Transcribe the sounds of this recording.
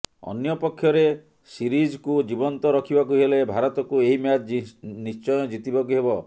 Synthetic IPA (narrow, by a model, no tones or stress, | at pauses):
ɔ̰njɔpɔkʰːjɔɾe | siɾid͡ʒkud͡ʒibɔnt̪ɔɾɔkʰibakuɦelebʱaɾɔt̪ɔkueɦimjad͡ʒnist͡ʃɔjɔd͡ʒit̪ibɔkuɦebɔ